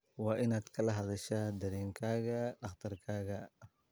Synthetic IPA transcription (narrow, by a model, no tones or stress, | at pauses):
wɑːʔɪnaːd̪kʰɐlɐɦɐðɐʃaːd̪ɐɾɛːŋkʰaːɣɐɖɑχt̪ʰɐrkʰaːɣɐ